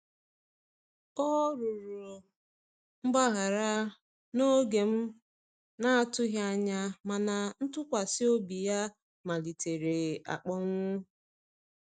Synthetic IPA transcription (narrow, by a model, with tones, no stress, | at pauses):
ɔ˦ɾʊ˨ɾʊ˨ | ŋ͡m̩˦ɡ͡ba˦ɣa˨ɾa˦ | no˦ɡe˨m̩˦ | na˦a˦tʊ˦ɦja˦ɲa˦ma˨na˨n̩˦tʊ˦kʷa˨sɪ˦o˦bi˨ja˦ | ma˨li˨tʰe˨ɾe˨a̰˨k͡pɔ˦ŋʷʊ˦